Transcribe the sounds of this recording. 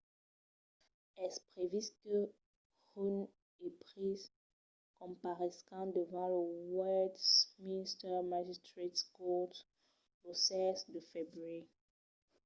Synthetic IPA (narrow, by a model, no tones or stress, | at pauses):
ɛspχevizkə | ʁyn | epχiz | kɔ̃paʁɛsɑ̃d̪əvɑ̃ləwɛdsminst̪ɛmaʒistʁetskɔt | losɛzd̪əfebʁye